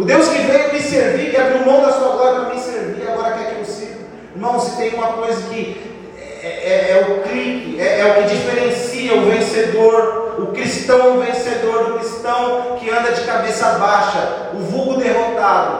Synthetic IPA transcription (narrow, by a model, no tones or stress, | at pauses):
ʊd̪ewskɪvẽj̃ʊmɪseɾvikɪaʊmɐ̃w̃d̪ɐsuɐɡlɔɾɐmɪseɾviaɡɔɾɐkɛkeposivʊ | ɾmɐ̃w̃sɪ̥t̪ẽj̃ũmɐkojzɐkɪ | ɛɛɛɛʊkɾikɪɛʔɛʊkɪd͡ʒifeɾẽsiɐʊvẽsed̪oɾʊkɾist̪ɐ̃w̃ɛũvẽsed̪oɾd̪ʊkɾist̪ɐ̃w̃kɪɐ̃nd̪ɐd͡ʒɪkabesɐbaʃɐ | ʊvuɡʊd̪eɦot̪ad̪ʊ